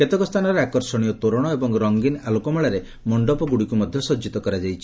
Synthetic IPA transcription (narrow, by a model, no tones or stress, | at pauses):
ket̪ɔkɔst̪ʰanɔɾeakɔɾsɔɽ̃ijɔt̪oɾɔɽ̃ɔebɔŋɾɔŋɡinalukɔmɔɭaɾe | mɔɳɖɔpɔɡuɽikumɔd̪ʱjɔsɔd͡ʒit̪ɔkɔɾad͡ʒajt͡ʃʰi̥